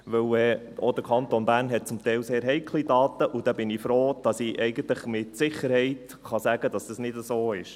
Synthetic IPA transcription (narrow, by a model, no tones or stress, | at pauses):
ʋɵwɛ | od̪əkʰɑnt̪onb̥æːɾnɦɛt̚t͡sʊmt̪ɛɪlseːɾɦɛɪkʰlidɑːt̪əʔud̥ɛbɪnifɾoːd̥ɑsiʔɛɪɡən̩t̪ləχmɪtsɪχəɾhɛɪt | χɑsæɡ̥əd̥ɑsd̥ɑsnɪdəsoːɪʃ